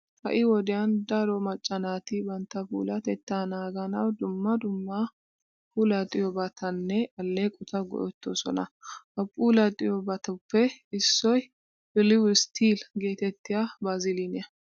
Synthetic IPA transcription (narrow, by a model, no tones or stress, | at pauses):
t̪ɐ̰ʔɪwɔd̪ɛjɐnd̪ɐɾɔmɐt͡ʃʼːɐnaːt̪ɪbɐnt̪ːɐbṵːlɐt̪ɛt̪ːanaːɡɐnɐwd̪ʊmːɐd̪ʊmːa | pʼuːlɐt̪ʼɪjɔbɐt̪ʰɐnːɛɐlːekʼʊt̪ɐɡɔ̰ʔɔt̪ːosɔ̰nɐ̰ɐpʼːuːlɐt̪ʼɪjɔbɐt̪ɐpːɛɪsːɔj | bɪlɪwɪst̪ʰilɡe̞ːt̪ɛt̪ːɪjabazɪlinɪjɐ